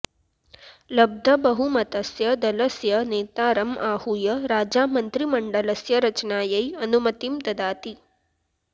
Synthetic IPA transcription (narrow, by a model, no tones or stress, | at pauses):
lɐb̚d̪ʱɐbɐɦumɐt̪ɐsjɐd̪ɐlɐsjɐneːt̪aːɾɐmʔaːhujɐɾaːd͡ʒaːmɐnt̪ɾimɐɳɖɐlɐsjɐɾɐt͡ʃɐnaːjɐjɐnumɐt̪imt̪ɐd̪aːt̪i